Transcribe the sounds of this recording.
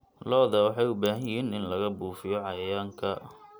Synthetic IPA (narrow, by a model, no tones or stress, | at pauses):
lɔːðɐwɑħɑjʊbaːɦɐjɪɦiːnɪnlɐɣɐbuːfɪjɔʕɑjɐjaːŋkʰɐ